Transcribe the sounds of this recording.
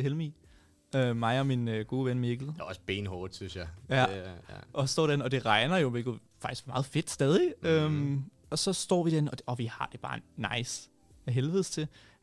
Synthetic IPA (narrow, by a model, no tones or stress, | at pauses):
helmḭ | ømɑ̈ɪɒ̽minøɡ̥o̝ːʋenmeɡ̥ð̩ˠjaɒsb̥eːnhɔːd̥synsjɑjæ̰ʔɒ̽sd̥ɒ̰ːd̥enɒ̽d̥e̝ʁɑ̈ɪnɐjo̝meɡ̥ | fɑɡ̥isɡ̥fɒmɑ̈ːð̞̩ˠfe̝d̥sd̥ɛːð̞ˠiøm | ɒ̽sɒ̽sd̥ɒ̰ːʋid̥enɒ̽ɒ̽ʋihɑ̈d̥e̝b̥ɑ̈ːnɑ̈ɪ̰s | æɦelʋið̩̰ˠst͡sʰe̝